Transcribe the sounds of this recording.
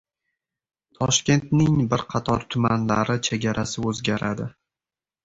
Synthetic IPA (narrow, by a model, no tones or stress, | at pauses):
t̪ʰɒʃkʲe̞nt̪nɪŋbɪɾqʰɑt̪ʰɒɾt̪ʰʊmanlaɾɪt͡ʃʰe̞ɡʲaɾʔasɪɵzɡʲaɾad̪ɪ